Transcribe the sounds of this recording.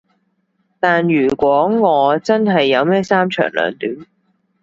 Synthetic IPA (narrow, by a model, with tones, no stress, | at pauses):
t̪aː˨njyː˨˩kʷwɔː˨˥ŋɔː˨˧t͡sɐ˥nɦɐ˨jːɐ˨˧wmɛː˥saː˥mt͡ʃʰœ̰ː˨˩ŋlœ̰ː˨˧ŋt̪yː˨˥n